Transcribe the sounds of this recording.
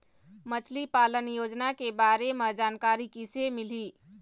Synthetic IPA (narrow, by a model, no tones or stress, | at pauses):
mət͡ʃʰlipalənjod͡ʒnakebaɾemed͡ʒaːnkaɾikisemili